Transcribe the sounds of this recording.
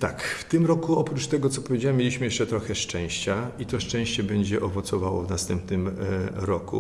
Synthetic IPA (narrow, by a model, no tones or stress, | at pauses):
t̪akft̪ɘmɾɔkuɔpɾut͡ʂt̪ɛɡɔt̪sɔpɔvʲed͡ʑawamʲːjelʲiɕmɘjɛʂt͡ʂɛt̪ɾɔxɛʂt͡ʂɛ̃w̃ɕt͡ɕait̪ɔʂt͡ʂɛ̃w̃ɕt͡ɕɛbɛɲd͡ʑɛʔɔvɔt̪sɔvawɔvnast̪ɛmpnɘmɾɔkṵ